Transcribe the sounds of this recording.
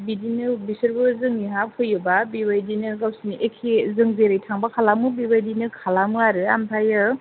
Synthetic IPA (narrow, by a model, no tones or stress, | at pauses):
bidinɯbisɯɾbɯzɯŋiɦakʰɯjɯbabibajdinɯɡawsiniʔekʰezɯŋzeɾɯjtʰaŋbakʰalamɯbibajdinɯkʰalamɯaɾɯampʰajɯɾ